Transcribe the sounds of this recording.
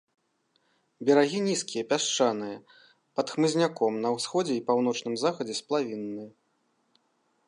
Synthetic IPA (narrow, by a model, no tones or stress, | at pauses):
bʲɛɾaɣʲinʲiskʲijɐpʲaʂt͡ʂanɨjɐ | pɐt̪xmɨzʲnʲakɔmnɐwsxɔd͡zʲɛipawnɔt͡ʂnɨmzaxɐd͡zʲɛsʲplˠavʲinːɨjɐ